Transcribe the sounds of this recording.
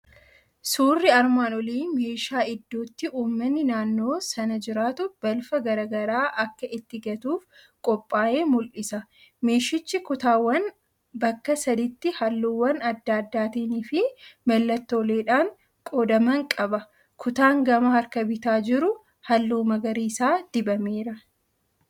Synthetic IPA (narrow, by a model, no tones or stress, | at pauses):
suːrːɪɐɾmaːnɔliːnme̞ːʃaːɪd̪ːoːt̪ːɪʔuːmːɐnːɪnaːnːo̞ːsɐnɐd͡ʒɪɾaːt̪ʊb̥ɐlfɐɡɐɾɐɡɐɾaːʔɐkːɐʔɪt̪ːɪɡɐt̪uːf | kʼɔpʼːaːʔe̞ːmʊlʔɪsɐ | me̞ːʃɪt͡ʃːɪkʊt̪aːwːɐn | bɐkːɐsɐd̪ɪt̪ːɪhɐlːuːwːɐnɐd̪ːaːd̪ːaːt̪iːnɪfɪbɐlːɐt̪ːoːleːᶑaːŋ | kʼoːd̪ɐmɐŋkʼɐbɐ | kʰʊt̪aːŋɡɐmɐhɐɾkɐbɪt̪aːd͡ʒɪɾʊ | hɐlːuːmɐɡɐɾiːsaːd̪̥ɪbɐmeːɾɐ